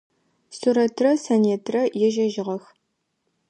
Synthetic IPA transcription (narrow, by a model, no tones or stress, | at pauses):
suɾɐtʰrɐsɐneːtʰrɐjɛʒɐʒɪʁɐx